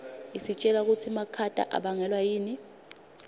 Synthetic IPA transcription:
isit͡ʃʼɛlak̬utʰimakʰatʼa̰ʔa̰ɓaŋɛlwajiːni

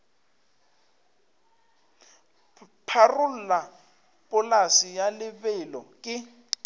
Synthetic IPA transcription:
pʰarʊl̩la | pʼʊlasijalɪbɛlɔkʼɪ

